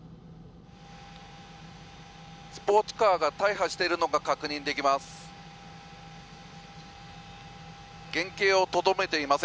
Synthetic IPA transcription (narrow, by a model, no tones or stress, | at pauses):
sɨ̥po̞ːt͡sɨ̥kaːɡat̪aiɦaɕi̥t̪e̞ɾɯ̟no̞ɡakakɯ̟ɲ̟ĩnd̪e̞kʲimasɨ̥ | ɡ̥ẽ̞ŋke̞ːo̞t̪o̞d̪ome̞t̪e̞imase